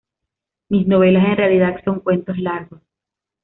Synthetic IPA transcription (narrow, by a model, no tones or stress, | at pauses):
misno̞βe̞lase̞nrealiðad̪so̞ŋkwe̞nt̪o̞slaɾɣo̞s